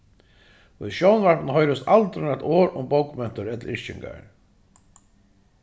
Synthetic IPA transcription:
ʊðʃjɔwnvaɾpnhɔjɾʊst̪alt̪ɾʏnat̪ɔːɾʊ̰mbokmɛn̥t̪ʊɾɛt̪l̩ɪɹt͡ʃɪ̰ŋka̰ɹ

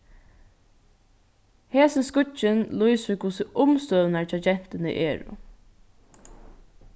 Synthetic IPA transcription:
heːsɪnskʊt͡ʃɪnluɪsɪkʰʊsɪʔʊmst̪œːðnaɹt͡ʃat͡ʃɛn̥t̪ɪnə̰ʔɛːɹʊ̰

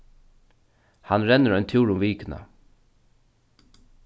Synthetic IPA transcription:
hanɾɛnːəɾɔjnt̪ʰjuːɹʊmviːkɪna̰

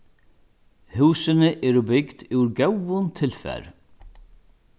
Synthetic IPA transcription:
huːsɪnɪʔɛɾʏbɪkd̪̥uɾɡœwvʊnt̪ʰɪlfɛ̰ɾ

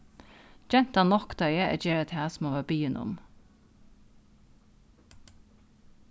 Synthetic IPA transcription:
d͡ʒɛnt̪ɑːnɔkd̪œʏəʔɛ̰d͡ʒeːɾət̪ʰhæːsmoːʋæːbyːənʔʊ̰m

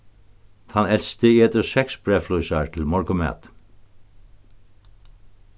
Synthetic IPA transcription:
t̪ʰɑnɛlst̪əeːt̪əsɛksbɹɛːflujsaɹt̪ʰɪlmɔɹkʊmæ̰ːt̪

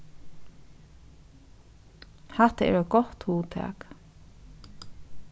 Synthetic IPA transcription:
haht̪əɛ̰ɾɛt̪ɡɔht̪huːt̪ʰæ̰ːk

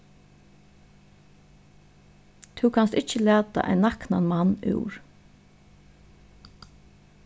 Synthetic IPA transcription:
t̪ʰʉwkʰanst̪ɪt͡ʃəlæːt̪a̰ʔa̰ɪnːakna̰nmanːʉ̰wɹ̥

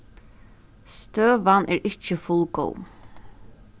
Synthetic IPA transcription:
st̪øːʋanʔɛːɹɪt͡ʃəfʊlko̰w

